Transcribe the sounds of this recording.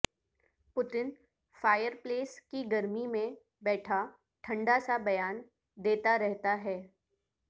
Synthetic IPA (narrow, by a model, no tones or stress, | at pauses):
pʊt̪ɪn | faːjəɾpleːskiɡɐɾmimẽ | bɛːʈʰa | ʈʰɐ̃ɳɖasabɐjaːn | d̪eːt̪aɾɛɦt̪aɦɛː